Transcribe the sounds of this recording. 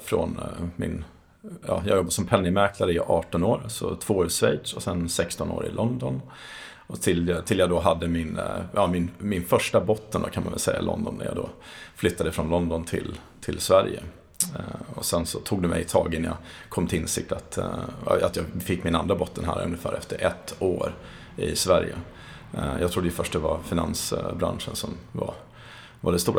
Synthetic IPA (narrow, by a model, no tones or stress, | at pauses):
fɾɔ̰nmɪ̰n | jɑːjɑːɡjɔbːasɔmpʰɛnːɪmæɾkʰlaɾəjʔɑːʈɔnoːɾsɔt̪ʰv̥oːʉsvɛjd̪ʂɔsɛnsɛkst̪ɔno̰ːɾɪ̰lʔɔnd̪ɔn | ɔt̪ʰɪlt̪ʰɪljɑːd̪ɔɦad̪ːəmɪnjɑːmɪnmɪnfœʂʈabɔt̪ːənd̪o̰kʰanma̰nvɛ̰lsɛjːa̰lɔ̰nd̪ɔ̰nːæ̰jɑ̰ːd̪oflʏt̪ːad̪əfɾɔnlɔnd̪ɔnt̪ʰɪ̰l | t̪ʰɪlsvæɾjə̰ | ɔsɛnsɔt̪ʰuːɡd̪ɛmɛjt̪ʰɑːɡənjɑkʰɔmːt̪ʰɪɪnsɪk̚t̪at̪ | at̪jɑːɡfɪkːmɪnand̪ɾabɔt̪ːənɦæ̰ːɾɵ̰nːəfæːɾʔɛft̪əɾʔɛt̪ːoːɾ | ɪsvæɾjə̰ | jʔɑɡt̪ʰɾʊd̪ːjəfœʂʈd̪ɛvaɾfɪnansbɾa̰nʂənsɔmva | vaɖɛst̪uːɾ